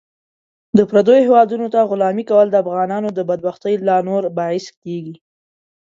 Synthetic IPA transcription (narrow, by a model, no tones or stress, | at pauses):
d̪əpɾad̪ojohewɑd̪unot̪aɣʊlɑmikawəld̪əafɣɑnɑnod̪əbad̪̚baxt̪əjlɑnoɾbɑɪskeɡi